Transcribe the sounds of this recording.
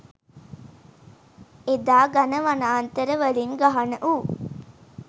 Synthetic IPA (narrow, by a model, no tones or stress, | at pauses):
ed̪aːɡanəʋanaːnt̪əɾəʋəliŋɡaɦanəʔu